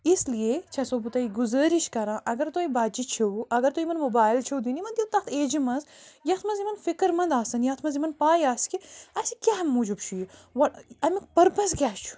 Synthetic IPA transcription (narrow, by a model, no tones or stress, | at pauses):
isliet͡ʃʰɐsoːbut̪ɐːiɡuzəːɾiʃkɐɾãːʔɐɡɐɾt̪oːibaːt͡ʃit͡ʃʰɐuɐɡɐɾt̪oːimɐnmobaːjlt͡ʃʰɐwd̪inimɐnd̪ʲit̪ɐxt̪ʰeːd͡ʒimɐzjɐxt̪ʰmɐzimɐnfikəɾmɐnd̪aːsɐnjɐxt̪ʰmɐzimɐnpaːjaːskiɐsikʲaːɦɐmːuːd͡ʒubt͡ʃʰujiʋɐɐmikpɐɾpɐs̬ɡʲaːst͡ʃʰu̥